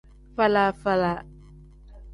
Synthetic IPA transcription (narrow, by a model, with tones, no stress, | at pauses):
fa˦la˦fa˦la˨